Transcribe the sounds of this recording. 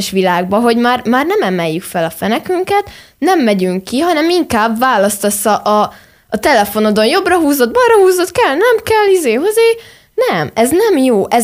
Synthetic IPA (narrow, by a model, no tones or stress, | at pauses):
ʃʋilaːɡ̚bɒɦo̞ɟmaːrmaːrnɛmɛmɛjːykfɛlɒfɛnɛkyŋkɛt̪ | nɛmːɛɟyŋkːiɦɒnɛmiŋkaːbvaːlɒst̪ɒsːɒʔɒː | t̪ɛlɛfo̞nod̪o̞njo̞brɒɦuːzo̞d̪̚bɒnrɒhuːzo̞t̪kɛlnɛmkɛlːizeːɦo̞zeː | nɛmɛznɛmjoːʔɛ